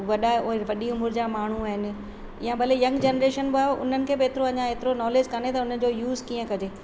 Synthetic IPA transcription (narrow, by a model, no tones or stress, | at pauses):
ʋɐɗaoːeʋɐɗiʊmʊɾd͡ʑaːmaːɳ̤uaːɦɪnɪ̆ | jãbɐlejɐ̃ŋɡd͡ʑeːnɾeːʃənbɪaːeʔʊ̰n̤ənɪ̆kʰeːbɪeːt̪ɪɾoɐɲãeːt̪ɪɾonɔːleːd͡ʑkɐnet̪ɐʊn̤ənɪ̆d͡ʑojuːzkiːə̃kɐd͡ʑeː